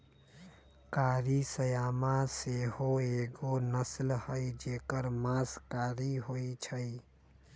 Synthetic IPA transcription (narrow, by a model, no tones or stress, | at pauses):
kaɾisəjamaseɦoeɡonəslhəjd͡ʒekəɾmaskaɾiɦojt͡ʃʰəj